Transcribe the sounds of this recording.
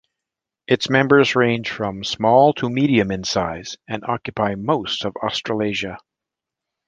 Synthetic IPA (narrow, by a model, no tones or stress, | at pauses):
ɨtsmɛ̃mbə˞zɹẽɪ̃nʒ̥fɹʌ̃msmɔlˠtʰəmiɾiɨ̃mɨ̃nsaɪz̥ɨ̃nʔɑkjɨpʰaɪmoʊstʌvɑ̰stɹ̥əl̩ˠeɪʒɨ